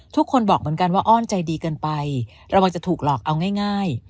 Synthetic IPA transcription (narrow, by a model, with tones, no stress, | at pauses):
t̪ʰu˥kʰːo˧nbɔː˨˩k̚mɯ˩˦nka˧nwaː˥˩ʔɔː˥˩nt͡ɕa˧jdiː˧kɤː˧npa˧j | ɾa˧wa˧ŋt͡ɕa˨˩t̪ʰuː˨˩k̚lɔː˨˩k̚ʔa˧wŋaː˥˩jŋaː˥˩j